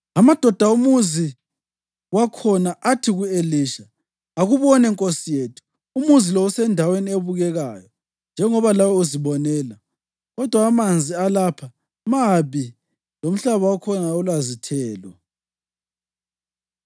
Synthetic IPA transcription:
amad̥ʱɔd̥ʱaumuzi | wakʰɔnaʔatʰiɣueliːʃa | aɣuβɔnɛŋkʼosijetʰu̥ | umuzilɔusɛndʱawenieβuɣɛɣajɔ | nd͡ʒʱɛŋɔβalawɔuziβɔnɛːla | ɣɔd̥ʱwaːmand͡zʱialaːpʰa | maβi | lom̩ɬaβawakʰɔnaulwazitʰɛːlɔ

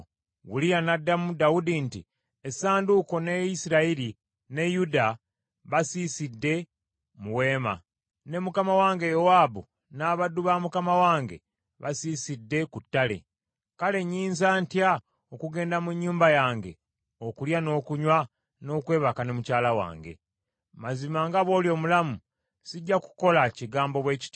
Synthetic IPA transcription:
wulijanadːamudaudinti | esaːnduko̞ne̞isiɾaiɾi | ne̞juda | βasiːsidːe̞ | muwe̞ːma̰ | ne̞mukamawaːŋɡe̞jowaːbu | naːβaduβamukamawaːŋɡe̞̰ | βasiːsidːe̞kutːale̞̰ | kale̞ɲːiːnzaːntja | okuɡe̞ːndamuɲːuːmbajaːŋɡe̞ | okuljano̞ːkuɲwa | no̞ːkwe̞ːβakane̞mucaːlawa̰ːŋɡe̞̰ | mazimaŋɡaβo̞ːljo̞ːmulamu | siɟːaku̥ko̞laciɡaːmbo̞βwe̞ːci̥t

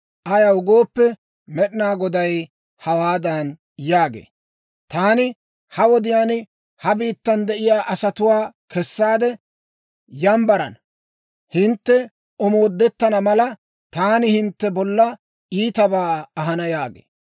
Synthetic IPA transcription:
ʔɐjɐʊɡoːpːɛ | mɛɗɪnaːɡɔd̪ɐj | hɐwaːd̪ɐn | jaːɡḛː | t̪aːnɪ | hɐwɔd̪ɪjaːnɪ | hɐbiːt̪ːɐnd̪ɛʔɪjaːʔɐsɐt̪ʊwaːkɛsːaːd̪ɛ | jɐmbɐɾɐ̰n | hɪnt̪ːɛ | ɔmo̞ːd̪ːɛt̪ːɐnɐmɐlɐ | t̪aːnɪhɪnt̪ːɛbɔlːɐ | iːt̪ɐbaːɐɦɐnɐjaːɡḛː

